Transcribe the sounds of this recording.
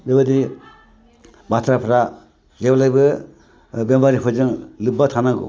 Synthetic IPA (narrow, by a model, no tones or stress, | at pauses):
bebad̪i | bat̪ʰɾapʰɾa | d͡ʒeblajbɯ | bjembaɾipʰɯd͡ʒɯŋlɯbːat̪ʰanaɡṵ